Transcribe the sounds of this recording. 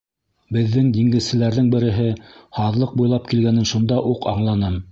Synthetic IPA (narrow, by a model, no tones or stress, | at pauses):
bɘ̆ðːɘŋd̪iŋɡɘ̆ðsɘ̆læɾðɘŋbɘ̆ɾɘ̆ɦɘhɑðlˠɤq̚bujlˠɑp̚kilɡænɘnʃund̪ɑʔuqɑɴlˠɑnɤm